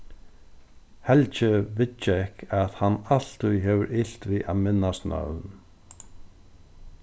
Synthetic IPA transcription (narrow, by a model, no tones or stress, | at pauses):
hɛlt͡ʃɪvɪtːɪɪhkaðhanːal̥t̪ʊjɦɛvɪɾʔɪl̥t̪via̰ðmɪnːast̪nœ̰ɾðn